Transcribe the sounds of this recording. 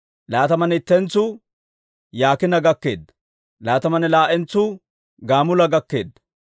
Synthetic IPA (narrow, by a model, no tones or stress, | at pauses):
laːt̪ɐmɐnɪt̪ːɛnt͡sːʊ | jaːkɪnɐɡɐkːe̞̰ːd̪ːɐ | laːt̪ɐmɐnɛlaːʔɛnt͡sːʊ | ɡaːmʊlɐɡɐkːe̞ːd̪ːɐ̥